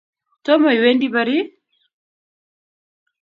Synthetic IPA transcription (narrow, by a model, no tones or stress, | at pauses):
tɔmɔiwɛndiβaɾi